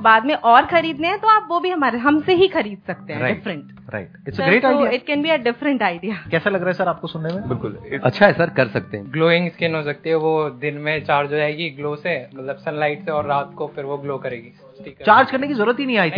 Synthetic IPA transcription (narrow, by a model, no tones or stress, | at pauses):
baːd̪mẽʔɔːɾxɐɾiːd̪neɦɛ̃t̪oaːpʋobʱiɦɐmaːɾeɦɐmseɦixɐɾiːd̪̚sɐk̚t̪ẽɦɾaɖɪfɾə̃ɳʈ | ɾa̰ɪʈɪʈsɡɾeːʈaːɪiɪʈ̚kɛ̃nbiəɖɪfɾə̃ɳʈaːɪɖijakɛːsalɐɡɾaːɦɛsɐɾaːp̚kosʊnːemẽbɪlkʊlɐ̰tːʃʰaɦɛsɐɾkɐɾsɐk̚t̪eɦɛ̃ɡloːɪ̃ŋɡskenɦosɐk̚t̪iɦɛʋod̪ɪnmẽt͡ʃaːɾd͡ʒd͡ʒod͡ʒaːeɡiɡloːsemɐt̪ləbsɐ̃nlaːɪʈseɔːɾːaːt̪kofɪɾʋoɡloːkɐɾeːɡi | ʈʰiːkt͡ʃaːɾd͡ʒkɐɾnekizɐɾuːɾət̪ɦinɐɦĩaːiːt̪i